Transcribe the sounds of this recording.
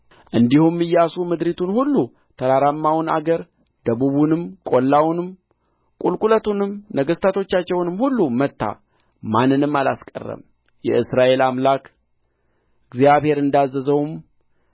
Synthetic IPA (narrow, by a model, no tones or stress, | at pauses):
ʔɨnd̪ihumːɨjasumɨd̪ɾit̪ʰunhulːu | t̪ʰəɾaɾamːawna̰ɡəɾ | d̪əβuβunɨmkʼo̞lːawnɨm | kʼulkʼulət̪unɨmnəɡəst̪ʰat̪ʰo̞t͡ʃːat͡ʃːɛwnɨmhulːumət̪ːa̰ | manːɨnɨmːala̰skʼə̰rːə̰m | jɛɨsɾaʔe̞lamlak | ɨɡzijaβhe̞ɾɨnd̪azːəzəwm